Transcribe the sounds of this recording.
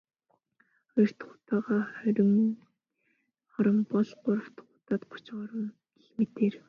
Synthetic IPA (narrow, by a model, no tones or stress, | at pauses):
χɔjɞ̆r̥t̪χʊ̥t̪aːʁaːχœɾʲɪ̆ŋ | χɔɾɞ̆mpɔɮɢʊɾə̆w̥t̪ʰχʊ̥t̪aːt̪̚qʊ̥t͡ɕχɔɾə̆n | eɮmet̪eːr